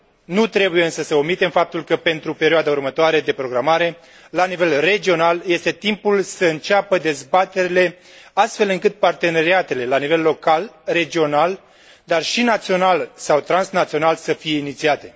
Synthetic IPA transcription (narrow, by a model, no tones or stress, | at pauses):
nut̪ɾe̞bujeɨnsəsəomːit̪e̞mfap̚t̪ulkəpe̞nt̪ɾupe̞ɾioad̪aurmət̪oaɾe̞d̪e̞pɾo̞ɡɾamaɾe̞ | lanive̞lre̞d͡ʒio̞nalje̞st̪e̞t̪impulsəɨnt͡ʃapəd̪e̞zbat̪e̞ɾile̞ | ast̪fe̞lɨŋkɨt̪̚part̪e̞ne̞ɾiat̪e̞le̞lanive̞lːo̞kalre̞d͡ʒio̞nal | d̪arʃinat̪sio̞nalsawt̪ɾansnat̪sio̞nalsəfije̞init̪siat̪e̞